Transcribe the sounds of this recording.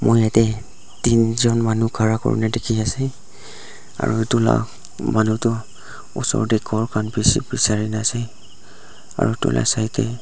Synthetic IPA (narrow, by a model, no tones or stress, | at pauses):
mojatɛ | tinzɔnmanukʰaɹakɔ̰ɹṵnɛdekʰiasɛ | a̰ɹuetula̰ | manutʊ | ṵsɔ̰ɹdɛkʰɔɹkʰanpisḭpɹisaɹinasɛ | a̰ɹutʊ̰lʔa̰sajtɛ